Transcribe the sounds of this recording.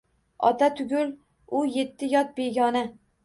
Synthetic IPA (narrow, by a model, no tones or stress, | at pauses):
ɒ̰t̪ʰat̪ʰʊɡʲʊl | ʊje̞t̪ʰːɪjɒt̪̚be̞ɡʲɒna